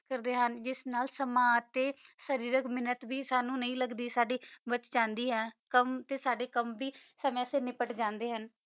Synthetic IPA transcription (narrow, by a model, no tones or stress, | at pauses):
kəɾd̪eːɦənd͡ʒɪsnaːlsəmãːt̪eːsəɾiːɾəkmɪnət̪ʋiːsaːnũːnəĩːləɡd̪iːsaːɖiːbət͡ʃd͡ʒãːnd̪iːɦɛːkəmt̪eːsaːɖeːkəmʋiːsəmãseːnɪpəʈd͡ʒãːnd̪eːɦən